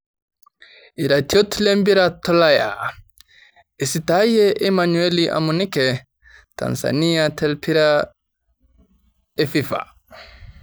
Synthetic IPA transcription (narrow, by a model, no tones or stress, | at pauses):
iɾatʰiotlembiɾatɔlaja̰ | ɛsitajɛʔɛmanueliʔa̰munikɛ | ta̰nsa̰nijatʰɛlpʰiɾa | efifa̰